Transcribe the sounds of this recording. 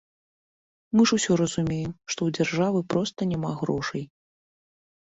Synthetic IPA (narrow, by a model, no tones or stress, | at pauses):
mɨʐusʲɔɾɐzumʲejɛmʂt̪ɔwd͡zʲarʐavɨpɾɔst̪ɐnʲamaɣɾɔʂɐj